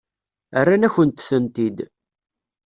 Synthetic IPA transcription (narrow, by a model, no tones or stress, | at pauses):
ərːanæçənt̪θənt̪id̪